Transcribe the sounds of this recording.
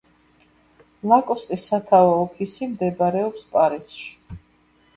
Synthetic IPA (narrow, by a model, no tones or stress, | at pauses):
lˠakʼɔst̪ʼisːat̪ʰaɔːpʰisimd̪ɛbaɾɛɔpspʼaɾisʃi̥